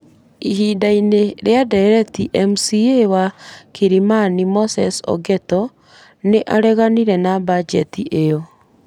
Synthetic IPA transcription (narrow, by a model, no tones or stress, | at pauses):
iɦiːdaineɾeadɛɾɛtiʔɛmusiewakiɾimanimosɛsɔ̰ɡɛtɔ | neʔaɾɛɣaniɾɛnabad͡ʒɛtiʔejɔ